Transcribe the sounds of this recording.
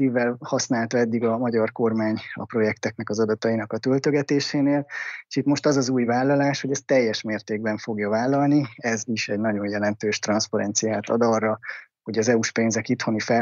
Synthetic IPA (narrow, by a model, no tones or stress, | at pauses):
ivɛlhɒsnaːlt̪ɒɛd̪ːiɡɒmɒɟɒrko̞rmaːɲɒ̰pro̞jɛkt̪ɛknɛkɒzɒd̪ɒt̪ɒinɒkɒt̪ølt̪øɡɛt̪eːʃeːneːleʃit̪mo̞ʃt̪ɒzɒzuːjvaːlːɒlaːʃho̞ɟɛst̪ɛjːɛʃmeːrt̪eːɡ̚bɛɱfo̞ɡjɒvaːlːɒlniɛziʃɛɟnɒɟo̞njɛlɛnt̪øːʃt̪rɒnspɒɾɛnt̪sijaːt̪ɒ̰d̪ɒrːɒ | ho̞ɟɒzɛuʃpeːnzɛkit̪ho̞nifɛ